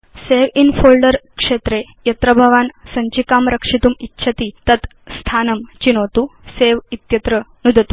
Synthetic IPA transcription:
seʋinfolɖəɾkʂet̪ɾe | jɐt̪ɾəbʱɐʋaːnsɐɲt͡ɕikaːmɾɐkʂit̪uːmitːɕʰɐt̪it̪ɐt̪ | st̪ʰanəmt͡ɕinot̪uːseʋit̪jɐt̪ɾənud̪ʱət̪u

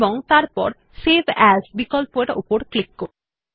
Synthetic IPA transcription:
boŋt̪aɾpɔ̰ɾ | sebʱɛsbikɔlpoeɾo̰poɾklikːo

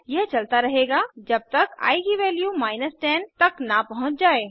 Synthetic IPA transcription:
jɛɦt͡ʃɐlt̪aɾɐɦeːɡaːd͡ʒɐb̚t̪əka̰ːiɡiʋɛːljumaːɪnəsʈɛːnt̪ɐknapɐɦʊ̃t͡ʃd͡ʒaːe

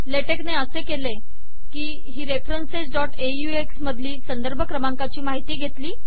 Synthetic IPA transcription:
leʈekneəsekele | kiː | ɦiːɾefɾənsed͡ʑɖɔʈejueksməd̪ʱliːsənd̪əɾbʱəkɾəmaŋkat͡ɕiːmaɦit̪iːɡʱet̪liː

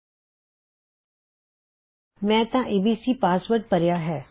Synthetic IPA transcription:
mɛ̃ːt̪ãʔeːbiːsipaːsʋəɾɖ̚pɐɾjaɦɛː

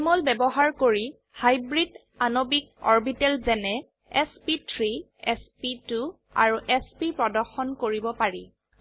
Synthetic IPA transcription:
mɔlbɛbɔɦaɹkoɹi | hajbɹid | anobik̚ɔɹbitɛlzɛnɛ | ɛspitʰɹi | ɛspitu | a̰ɹuʔɛspipɹɔdɔɹxɔnkoɹibɔpaɹi

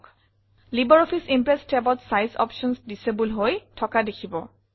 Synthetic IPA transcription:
k | libɔɹɔpʰisimpɹɛstʰɛbɔtsajzɔ̰pʃɔnsdisebulɦojtʰɔkadekʰibɔ

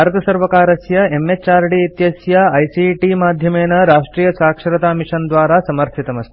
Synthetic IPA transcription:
aɾd̪ɐsɐɾʋɐkaːɾɐsjɐemːet͡ʃaːɾɖiit̪jɐsjɐɐjsiʈimaːd̪ʱjɐmeːnɐɾaːʂʈɾiːjɐsaːkʂɐɾɐt̪aːmiʂɐnd̪ʋaːɾaːsɐmɐɾt̪ʰit̪ɐmɐst̪ʰ

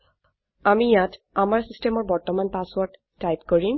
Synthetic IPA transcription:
amijat | amaɹsistemɔɹbɔɹtɔmanpaswɔɹɖːajpkoɹi

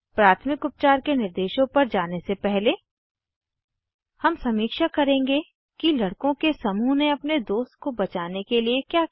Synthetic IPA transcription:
pɾaːt̪ʰmɪkʊp̚t͡ʃaːɾkenɪɾd̪eːʃõpɐɾd͡ʒaːnesepɛɦle | hɐmsɐmiːkʃakɐɾẽːŋɡe | kilɐɽkõkesɐmuːneɐpned̪oːst̪̚kobɐt͡ʃaːnekeliekjaː

